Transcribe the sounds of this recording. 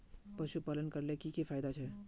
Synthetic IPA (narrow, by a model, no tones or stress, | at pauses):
pɐʃupaːlənkɐɾlekikifaːɪd̪at͡ʃʰɛ